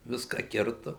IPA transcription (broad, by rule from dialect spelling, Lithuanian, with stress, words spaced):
ˈʋʲɪskɑː ˈkʲɪrtʊ